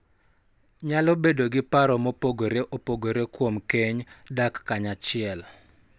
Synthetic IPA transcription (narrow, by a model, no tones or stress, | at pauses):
ɲalobedoɡɪpaɾɔmopoɡoɾeʔopoɡoɾekwomkeɲdakːaɲat͡ʃɪɛl